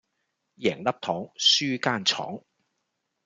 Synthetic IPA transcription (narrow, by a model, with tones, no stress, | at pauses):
jɛː˨˩ŋlɐ˥p̚t̪ʰɔː˨˥ŋsyː˥kaː˥nt͡sʰɔ̰ː˨˥ŋ